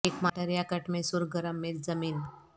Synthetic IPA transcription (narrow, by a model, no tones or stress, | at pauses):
ekmaʈəɾjakəʈmesuɾɡəɾəmːet̪d͡zəmiːn